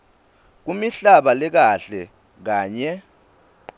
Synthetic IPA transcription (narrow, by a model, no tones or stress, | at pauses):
k̬umiɬaɓalɛk̬aɬɛ | k̬aːɲɛ